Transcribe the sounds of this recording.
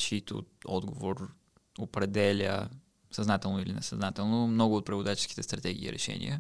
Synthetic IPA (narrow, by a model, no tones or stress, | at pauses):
t͡ʃit̪o̰ɔd̪ɡovoɾ | opɾɛd̪ɛlʲə̰ | sɐznat̪ɛlˠnoilinɛsɐznat̪ɛlˠnomnɔɡʊot̪̚pɾɛvod̪at͡ʃi̥sk̟i̥t̪ɛst̪ɾɐt̪ɛɡ̟ʲḭːɾʔɛ̰ʃɛ̰nḭjə